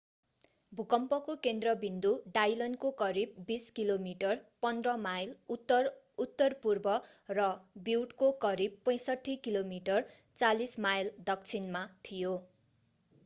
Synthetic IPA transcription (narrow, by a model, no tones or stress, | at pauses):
bʱukʌmpʌkokend̪rʌbind̪uɖajlʌnkokʌɾibːiskilomiʈʌrpʌnd̪rʌmajl | ut̪ːʌrpurbʌ | rʌbiwʈkokʌɾib̚pʌ̃j̃sʌʈʰːikilomiʈʌr | t͡salismajld̪ʌk̚t͡sʰinmat̪ʰijo